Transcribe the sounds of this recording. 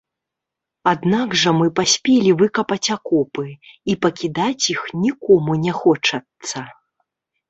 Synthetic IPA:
ad̪naɡʐɐmɨpasʲpʲelʲivɨkɐpɐt͡sʲakɔpɨipɐkʲid̪at͡sʲjixnʲikɔmunʲɛxɔt͡ʂɐt̪sɐ

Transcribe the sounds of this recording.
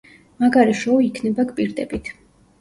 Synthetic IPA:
maɡaɾiʃɔikʰnɛbakʼpʼiɾd̪ɛbit̪ʰ

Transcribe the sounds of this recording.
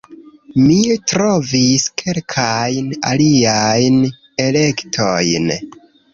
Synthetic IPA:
mitɾo̞viskʰe̞lkʰajna̰liajn | e̞le̞ktʰojn

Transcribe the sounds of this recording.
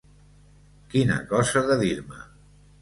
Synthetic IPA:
kinə̰kɔzəðəðiɾmə̰

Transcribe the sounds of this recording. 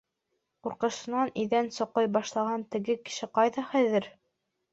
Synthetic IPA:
quɾqɤ̆ʃɤ̆nɑniðænsŏqɤjbɑʃlˠɑʁɑnt̪ɘ̆ɡɘkɘ̥̆ʃɘqɑjðɑχæðɘɾ

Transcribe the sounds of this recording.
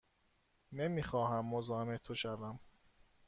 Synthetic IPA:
nemiːxɒːɦæmːozɒːmet̪ʰoʃævæm

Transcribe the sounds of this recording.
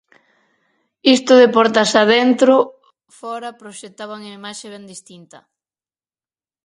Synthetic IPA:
ist̪ʊðepɔɾt̪asaðent̪ɾo | fɔɾɐpɾoʃet̪ːaβaŋaimaʃeβɛnd̪ist̪int̪ɐ

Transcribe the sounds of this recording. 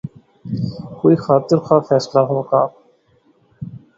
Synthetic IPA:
koːixaːt̪ɪɾxʰaːfɛːslaːɦoːkaː

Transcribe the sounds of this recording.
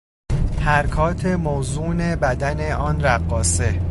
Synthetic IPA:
hæɾkʰɒːt̪ʰe̞mozuːne̞bæd̪æne̞ʔɒːnɾæɢːɒːse̞

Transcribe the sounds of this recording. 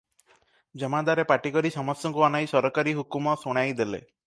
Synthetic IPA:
d͡ʒɔmad̪aɾepaʈikɔɾisɔmɔst̪jɔŋkuanajsɔɾɔkaɾiɦukumɔsuɽ̃ajd̪elḛ

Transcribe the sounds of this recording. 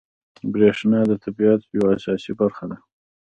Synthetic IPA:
bɾeʂnɑd̪ət̪ʰabiat̪jawaːsɑsibaɾxad̪a

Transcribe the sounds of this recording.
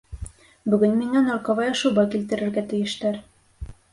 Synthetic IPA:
bɵ̆ɡɵnmiŋænɑɾqɑβɑjɤ̆ʃɤ̆bɑkilt̪ɘ̆ɾɘ̆ɾɡæt̪ɘ̆jɘ̆ʃt̪æɾ

